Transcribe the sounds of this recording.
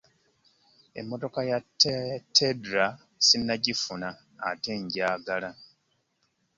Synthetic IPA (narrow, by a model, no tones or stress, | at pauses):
e̞̰mːo̞to̞kajattʰːedɾa | sinːaɟifunaː | te̞ɲɟaːɡala